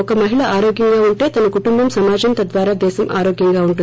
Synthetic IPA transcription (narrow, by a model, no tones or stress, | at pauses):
ɔkɐmɐɦiɭɐʔaːɾoːɡjɐŋɡaːuɳʈe̞ːt̪ɐnɐkuʈumbɐmsɐmaːd͡ʒɐnt̪ɐd̪ʋaːɾaːd̪ɛːsɐmʔaːɾoːɡjɐŋɡaːuɳʈu